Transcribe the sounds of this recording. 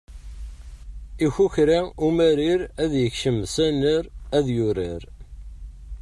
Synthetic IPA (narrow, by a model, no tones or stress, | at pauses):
içuçɾaumæɾiɾæðjəçʃəmsænəɾæðjʊɾiɾ